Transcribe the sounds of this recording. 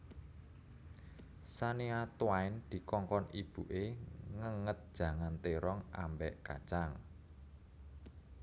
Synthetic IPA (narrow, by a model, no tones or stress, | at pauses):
saniat̪waɪnd̪̥i̤kɔŋkɔnib̥ṳʔeŋəŋət̪̚d̥ʒ̥ä̤ŋant̪eɾɔŋa̰mbɛʔka̰̥t͡ʃaŋ